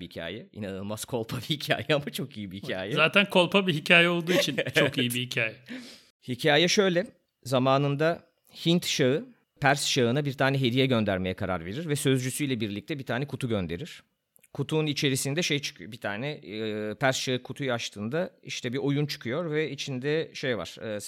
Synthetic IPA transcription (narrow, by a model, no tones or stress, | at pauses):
ihicʰa̰ːjɛḭnanɯlˠmaz̥kʰo̞lˠpʰabihicʰa̰ːjɛamat͡ʃʰo̞kʰijibihicʰa̰ːjɛzaːt̪ʰænkʰo̞lˠpʰabiɦicʰaːjɛo̞lˠd̪uːit͡ʃʰint͡ʃɛokijibihicʰaːjɛ | hicʰaːjɛʃø̞jlʲɛ | zamaːnɯnd̪a | hint̪ʃaɯ | pʰæɾsʃaɯnabiɾt̪ʰaːnɛɦe̞d̪ijɛɟø̞nd̪æɾme̞jɛkʰaɾa̰ɾve̞ɾiɾvɛsø̞zd͡ʒysyjlʲɛbiɾlʲic̚t̪ɛbit̪ʰaːnɛkʰut̪uɟønd̪e̞ɾiɾ̥ | kʰut̪ʰuːnit͡ʃʰe̞ɾisind̪ɛʃe̞jt͡ʃʰɯ̥kʰɯjobit̪ʰaːnɛpʰæɾsʃaɯkʰut̪ʰujaʃt̪ʰɯːnd̪aiʃt̪ʰɛbiojunt͡ʃʰɯ̥kʰujo̞ɾvɛit͡ʃʰind̪ɛʃejva̰ɾ̥